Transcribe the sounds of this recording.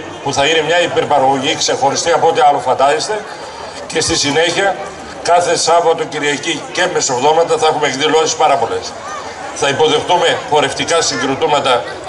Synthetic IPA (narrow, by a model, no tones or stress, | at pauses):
puθɐinemɲɐipe̞ɾpɐɾɐɣo̞ʝikse̞xo̞ɾist̪iɐpoot̪eɐlo̞fɐt̪ɐist̪e | ce̞st̪isine̞çiɐ | kɐθesɐvɐt̪o̞ciɾiɐcice̞mesovðo̞mɐt̪ɐθɐe̞xumeɡðilo̞sespɐɾɐpo̞le̞s | θɐipo̞ðe̞xt̪ume̞fo̞ɾe̞ft̪ikɐsiŋɡɾot̪omɐt̪ɐ